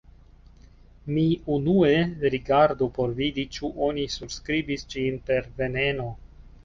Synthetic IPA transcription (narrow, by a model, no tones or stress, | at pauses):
miunue̞ɾiɡaɾdupo̞ɾvidit͡ʃuʔo̞nisubskɾibisd͡ʒinpe̞ɾve̞ne̞no̞